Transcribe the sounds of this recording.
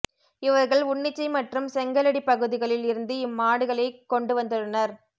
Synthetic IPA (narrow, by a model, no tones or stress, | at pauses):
ɪʋɐɾɣɐɭʊɳːɪt͡ʃːɐɪmɐʈrɯmsɛŋɡɐlɐɽipɐɣɯðɪɣɐɭɪlɪɾɯnd̪ɯɪmːaːɽɯɣɐɭɐɪkːɔɳɖɯʋɐnd̪ɯɾɯnɐɾ